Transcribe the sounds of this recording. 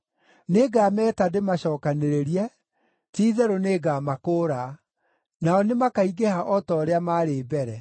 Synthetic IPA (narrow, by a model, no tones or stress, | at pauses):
neɡaːmɛːtademaɕɔːkaneɾeɾiɛ | tiːðɛɾoneːɡaːmakoːɾa | naɔnemakaiɡehaʔɔtɔːɾeamaːɾebɛɾɛ